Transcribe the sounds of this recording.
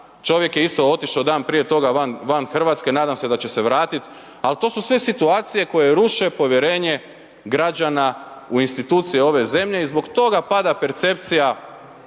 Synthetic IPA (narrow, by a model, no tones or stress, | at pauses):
t͡ʃo̞ʋje̞kjeist̪o̞o̞t̪iʃawd̪aːnpɾije̞t̪o̞ɡaʋanʋanxr̩ʋaːt̪skenaːd̪amse̞d̪at͡ɕe̞se̞ʋɾaːt̪it̪ | alt̪o̞ːsusʋe̞sit̪uaːt̪sije̞ko̞jeɾuʃe̞po̞ʋjeɾe̞ːɲe̞ | ɡɾad͡ʒanauinst̪it̪uːt̪sije̞o̞ʋe̞ze̞mʎe̞izbo̞kt̪o̞ɡapad̪ape̞ɾt̪se̞pt̪sija